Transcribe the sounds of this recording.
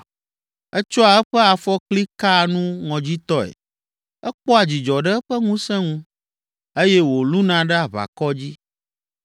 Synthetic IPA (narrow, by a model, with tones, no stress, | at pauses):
ɛ˦t͡ʃɔ˦a˨ɛ˦ɸɛ˦a˨fɔ˦kli˦ka˦˨nũ˦ŋɔ̃˨d͡ʑi˦t̪ɔ˦ɛ̰˨ | ɛ˦k͡pɔ˦a˨d͡ʑi˨d͡ʒɔ˨ɖɛ˦ɛ˦ɸɛ˦ŋũ˦sɛ̃˦ŋũ˦ | e˦jɛ˦wo˨lu˦nã˨ɖɛ˦a˨βa̰˨kɔ˦d͡ʑi˦